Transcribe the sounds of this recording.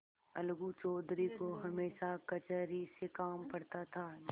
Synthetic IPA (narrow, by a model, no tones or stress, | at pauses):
ɐlɡut͡ʃɔːd̪ɾikoɦɐmeːʃakɐt͡ʃəɾisekaːmpɐɽt̪at̪ʰaː